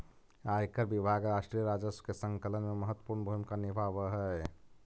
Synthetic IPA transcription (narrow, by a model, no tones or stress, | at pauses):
aːjkəɾbibʱaɡɾaːʃʈɾijəɾaːd͡ʒəsə̥kesə̃ŋkələnmeməɦət̪ːwəpuɾnbʱumkanɪbaʋəɦɛ